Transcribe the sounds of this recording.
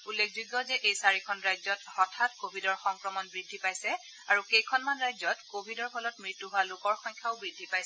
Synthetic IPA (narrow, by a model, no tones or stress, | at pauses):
ulːekʰzuɡːɔzɛʔejsaɹikʰɔnɹajzɔtɔtʰatkobʱidɔɹxɔŋkɹɔmɔnbɹidʱːipajsɛ | aɹukejkʰɔnmanɹajzɔtkobʱidɔɹpʰɔlɔtmɹitːuɦʊalʊkɔɹxɔɲkʰaʊbɹidʱːipajsɛ